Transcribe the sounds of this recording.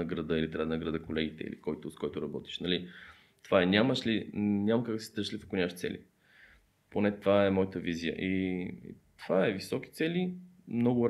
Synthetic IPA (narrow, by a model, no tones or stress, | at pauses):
əɡɾɐd̪əilit̪ɾʲad̪nəɡɾɐd̪əkolɛɡit̪ɛ̰ḭlikɔjt̪oskɔjt̪oʊɾɐbɔt̪i̥ʃnɐli | t̪ovaɛnʲaməʃlinʲaməkak̪si̥t̪əɾʃlifo̥kʊnʲaʃt̪sɛ̰lḭ | ponɛt̪vaɛmɔjət̪əvizijə̰ʔḭ | t̪v̥aɛvisɔk̟i̥t̪sɛli | mnɔɡʊɾ